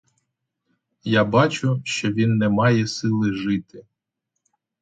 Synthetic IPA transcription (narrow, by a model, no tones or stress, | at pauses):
jabɑt͡ʃʊʃt͡ʃɔʋʲinːɛmɑjɛsɪlˠɪʒɪt̪ɪ